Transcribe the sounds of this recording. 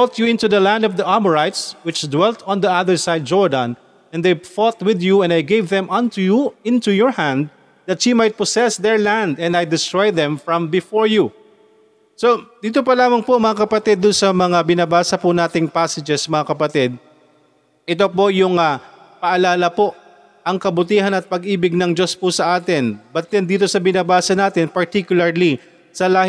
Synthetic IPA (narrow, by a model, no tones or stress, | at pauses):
bɔt̪juɪ̃nt̪uðɐlãnd̪ɔvd̪ɐʔamɔɹajt̪swɪt͡ʃd̪wɛlt̪ʰɔ̃nd̪iaðəɹsajd̪̚d͡ʒɔɹd̪ɐ̃n | ɛ̃nd̪ejfɔt̪̚wɪðjuɛ̃nd̪ajɡejvðɛ̃mʔɐ̃nt̪ujuɪ̃nt̪ujɔɹhãnd̪ | ðɐt̪ʃimajt̪̚pɔsɛsd̪ɛɹlãnd̪ɛ̃nd̪ajd̪ɪst̪ɹɔjd̪ɛ̃mfɹɐ̃mbɪfɔɹju | sod̪iːt̪opɐlaːmɐŋpoŋmɐŋakɐpɐt̪id̪ːʊnsɐmɐŋabɪnɐbaːsɐpʊnaːt̪ɪŋpaːsɐd͡ʒɛsmɐŋakɐpɐt̪id̪̚ | ʔɪt̪opo̞jʊŋɐ | pɐʔɐlaːlɐpo̞ʔ | ʔɐŋkɐbʊt̪iːɦɐnɐt̪̚pɐɡʔiːbɪɡ̚nɐŋd͡ʒo̞spʊsɐʔaːt̪ɪnbɐt̪jɛnd̪iːt̪o̞sɐbɪnabaːsɐnaːt̪ɪnpɐɹt̪ikjʊlɐɹli | sɐlaːh